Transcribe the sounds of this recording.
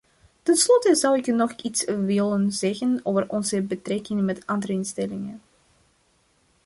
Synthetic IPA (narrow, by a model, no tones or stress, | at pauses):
tənslɔtəzɑwɪknɔχitsʋɪlənzɛɣənoːvərʔɔnzəbətrɛkɪŋmɛtɑndərəɪnstɛlɪŋən